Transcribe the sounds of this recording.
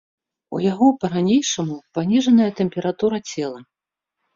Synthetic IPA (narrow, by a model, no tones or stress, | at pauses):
ṵjaɣɔpɐɾanʲejʂɐmupanʲiʐɐnɐjɐt̪ɛmpʲɛɾat̪uɾɐt͡sʲɛlˠɐ